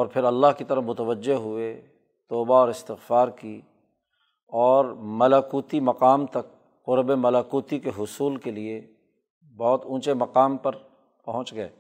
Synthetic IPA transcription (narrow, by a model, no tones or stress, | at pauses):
ɔːɾpʰɪɾɐlːaːɦkit̪ɐɾəɦmʊt̪əʋəd͡ʒːeɦʊe | t̪ɔːbaɔːɾɪst̪ɪɣfaːɾki | ɔːɾmɐlakuːt̪imɐqaːmt̪ɐkː | ʊɾbemɐlakuːt̪ikeɦʊsuːlkelie | bɔːt̪ũːt͡ʃemɐqaːmpɐɾ | pɐɦʊ̃t͡ʃɡɐḛː